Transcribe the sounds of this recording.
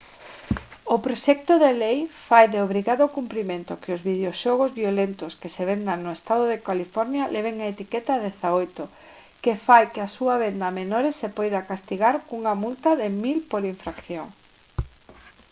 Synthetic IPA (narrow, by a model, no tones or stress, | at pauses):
ʊpɾoʃɛk̚t̪oðelejfajðeoβɾiɣaðokumpɾimẽnt̪ʊkɪʊzβiðeoʃɔɣ̞ozβjolent̪ʊskeseβend̪aŋnʊest̪aðʊðekalifɔɾnjalɛβ̞eŋaet̪ikɛt̪aðeθaojt̪ʊ | kefajkeasuaβend̪amenoɾesepojðakast̪iɣaɾkuŋamult̪aðɪmilpoɾiɱfɾakθjoŋ